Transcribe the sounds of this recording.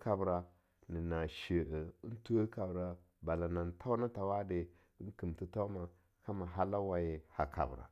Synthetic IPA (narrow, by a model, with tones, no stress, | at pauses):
ka˨bɾa˨ | ni˨na˨ʃi˨ʔə˨i˦ntu˦ə˦ka˨bɾa˨ | ba˨la˨na˨n˨tʰa˦wna˦ta˨wa˦de˨ | i˦nki˨mti˦ta˦u˦ma˨ | ka˦ma˨ɦa˦la˦wa˨je˨ha˨ka̰˨bɾa̰˨